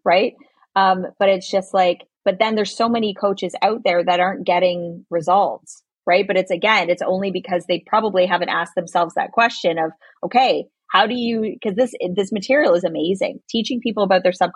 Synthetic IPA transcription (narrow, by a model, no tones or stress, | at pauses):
ɹaɪt̚ | ʌ̃mb̥ʌɾɨtsd̥ʒ̥ʌstˡlaɪk | b̥ʌt̪̚ðɨ̃nðə˞z̥soʊmɛnikʰoʊt͡ʃɨza̰ʊt̪̚ðə˞ðɨɾɑɹnɡ̥ɛɾɪ̃ŋɹɨzʌlˠts | ɹaɪt̚b̥ʌɾɨtsɨɡɛ̃nɨtsõ̰ʊ̃nlibɨkʰʌzðeɪpʰɹ̥ɑbəbliɦævɨ̃ntæsk̚ðɨ̃m̩sɛlˠvzðɨ̰t̚kʰw̥ɛst͡ʃɨ̃nʌv̥ | ʔoʊkʰeɪ | haʊɾɨjɨkʰʌzðɪsðɪsmɨtʰɪɹil̩ˠəzɨmeɪzɪ̰̃ŋtʰit͡ʃɪ̃ŋpʰipl̩ˠəbaʊt̪̚ðə˞sʌb̚kʰ